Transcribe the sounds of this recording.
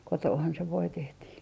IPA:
kotoːhɑn se ʋoi tehtiː

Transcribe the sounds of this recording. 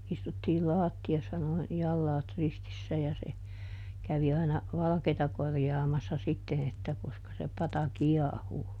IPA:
istutːiː lɑːtːiɑsːɑ noin jɑlːɑːt ristisːæ jɑ se kæʋi ɑinɑ ʋɑlɑ̆keːtɑ korjɑːmɑsːɑ sitːen etːæ koskɑ se pɑtɑ kiɑhuː

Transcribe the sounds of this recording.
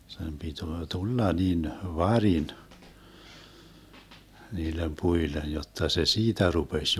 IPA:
sem pituo tulːɑ nin ʋɑrin niːlem puilen̞ jotːɑ se siːtæ rupesʲ

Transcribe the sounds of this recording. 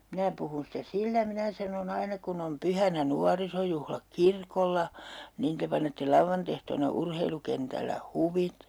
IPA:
minæ puhun sitæ silːæ minæ sɑnon ɑinɑ kun om pyhænæ nuɑrisojuhlɑk kirkolːɑ niːn te pɑnetːe lɑuʋːɑntehtoːnɑ urheilukentælːæ huʋit

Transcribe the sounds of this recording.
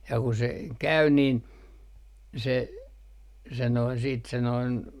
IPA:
jɑ ku se kæy niːn se se noin siːt se noin

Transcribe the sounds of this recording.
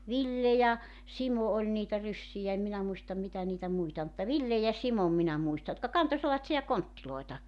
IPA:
ʋilːe jɑ simo olʲ niːtæ rysːijæ em minæ muistɑm mitæ niːtæ muitɑ ol mutːɑ ʋilːe jɑ simom minæ muistɑ jotkɑ kɑnto selːɑtsiɑ kontːiloetɑ

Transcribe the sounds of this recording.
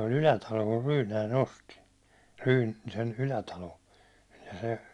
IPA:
olʲ ylætɑlo kur rynæin osti ryː sen ylætɑlo jɑ se

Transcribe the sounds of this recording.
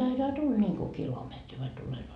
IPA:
d̥ɑitɑː tul nʲiŋku kilometri ʋɑi tulenoː sin

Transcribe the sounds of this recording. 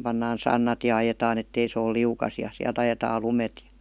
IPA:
pɑnːɑːn sɑnːɑt jɑ ɑjetɑːn etːei se ol liukɑs jɑ siælt ɑjetɑːl lumet jɑ̥

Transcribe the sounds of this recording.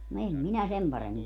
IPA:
no em minæ sem pɑremːin

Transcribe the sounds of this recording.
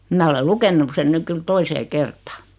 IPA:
mæ ole lukenːuk sen nyk kyl toiseː kertɑː

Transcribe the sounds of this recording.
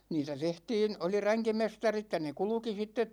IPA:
niːtæ tehtiːn oli ræŋkimestɑrit jɑ ne kulŭki sitːet

